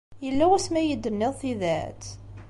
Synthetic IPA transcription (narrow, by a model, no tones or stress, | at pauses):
jəlːæwæsmæjəd̪ːənːɪðˤθiðæ̰t͡s̪